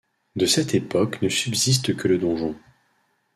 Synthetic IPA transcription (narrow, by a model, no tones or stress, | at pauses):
d̪əsɛt̪epɔknəsybzis̬t̪kʰələd̪ɔ̃ʒɔ̃